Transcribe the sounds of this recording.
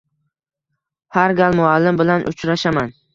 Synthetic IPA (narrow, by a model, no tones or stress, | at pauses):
haɾɡʲalˠmʊalːɪmbɪlanʔʊ̰t͡ʃɾaʃaman